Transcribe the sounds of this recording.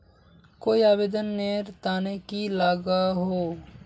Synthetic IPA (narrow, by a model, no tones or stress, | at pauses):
koːiaːbeːd̪ənːeɾt̪aːnekilaːɡaɦoː